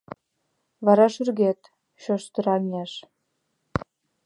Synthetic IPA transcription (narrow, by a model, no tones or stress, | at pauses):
βɑɾɑʃyrɣet̪ | ɕoʃt̪ə̆ɾɑlʲnʲeʃ